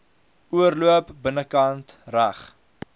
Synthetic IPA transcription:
uəɾluəpbənəkɐntræχ

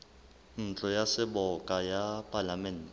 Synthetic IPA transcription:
n̩t͡ɬʼɔjasɛɓɔkʼajapʼalamɛntɛ

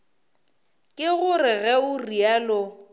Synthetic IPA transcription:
kʼɪɣʊrɪɣɛʊrialʊ

